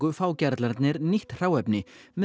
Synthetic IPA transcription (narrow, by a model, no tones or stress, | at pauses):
kʏfaːwcɛɾt̪laɾt̪nɪɾniht̪r̥aːwɛpnɪmɛ